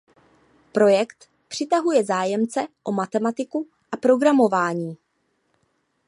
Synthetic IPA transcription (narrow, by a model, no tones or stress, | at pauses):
pɾo̞jɛkt̪ | pr̝̥ɪt̪aɦujɛzaːjɛmt͡sɛʔo̞mat̪ɛmat̪ɪku | ʔapɾo̞ɡɾamo̞vaːɲiː